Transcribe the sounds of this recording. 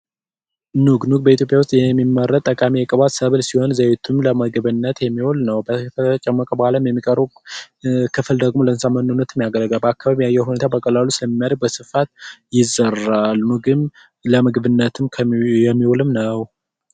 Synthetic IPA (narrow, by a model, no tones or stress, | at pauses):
nuɡnuɡ̚bəit̪ʰjopʼjawʊst̪ʼjɛmːimːərːət̪ʼːəkʼamiakʼəβat̪səβɨlsiho̞nzəjet̪ʰumləməɡβɨnːət̪jɛmːiwolnəwbət̪ʰət͡ʃʼɛmːəkʼəbəhaləmjɛmːikʼəɾu | kʰɨfɨld̪əɡmo̞lənsamənːunːət̪ɨmːijaɡələɡʼəbəakːaβaβijajːɛhunet̪ʰabəkʼəlalusɨləmːimːjaɾəɡ̚bəsɨfat̪̚jɪzəralnuɡɨm | ləmɨɡβɨnːət̪ʰɨmkʰjɛmːiwolɨmnəw